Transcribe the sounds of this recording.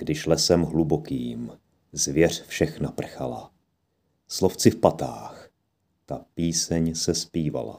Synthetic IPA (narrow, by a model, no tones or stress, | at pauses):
ɡ̥dɪʃlɛsɛmɦlubokiːm | zvjɛr̝̥fʃɛxnapr̩xala̰ | sloft͡sɪfpat̪aːx | t̪apiːsɛɲsɛspiːva̰la̰